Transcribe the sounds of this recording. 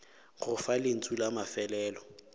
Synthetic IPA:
ɣʊfalɪn̩t͡sʼulamafɛlɛːlɔ

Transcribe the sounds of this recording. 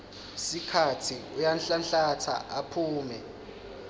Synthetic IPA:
sikʰatʰiujanɬanɬatʰa̰ʔapʰuːmɛ

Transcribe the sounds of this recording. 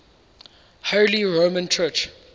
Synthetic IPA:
haliɹomə̃nt͡ʃʰɜt͡ʃ

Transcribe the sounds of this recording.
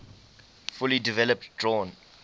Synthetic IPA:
fulidivɛləp̚tdɹɔ̃n

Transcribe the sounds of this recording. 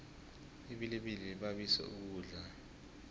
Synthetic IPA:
iɓileɓiliɓaɓisɛ̰ṵk̬uːɮa

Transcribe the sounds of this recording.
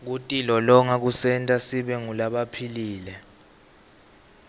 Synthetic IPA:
k̬utʼilɔlɔŋak̬usɛntʼasiɓɛŋulaɓapʰiliːlɛ

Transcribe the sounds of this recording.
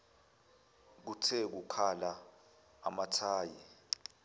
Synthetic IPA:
k̬utʰɛk̬ukʰalaː | matʰaːjɛ

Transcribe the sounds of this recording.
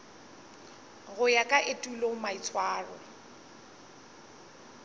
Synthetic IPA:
ɣʊjakʼaʔetʼulomait͡sʰwaːrɔ̰

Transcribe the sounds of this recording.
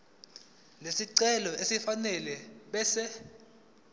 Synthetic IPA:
lesiǀɛlɔesifanɛlɛɓɛsɛ

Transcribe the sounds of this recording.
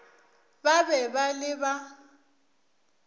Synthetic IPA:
babɛbalɪba

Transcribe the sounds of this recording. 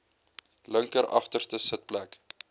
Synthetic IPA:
ləŋkəɾɑ̰χtərstəsət̚plæk

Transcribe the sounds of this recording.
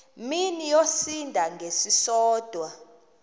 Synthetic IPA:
minijosindʱaŋɡʱesisɔːd̥ʱwa

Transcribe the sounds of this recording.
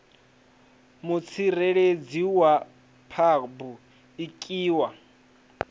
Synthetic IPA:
mut͡sʰirɛɺed͡ziwa | pʰabu | ikʼiːwa

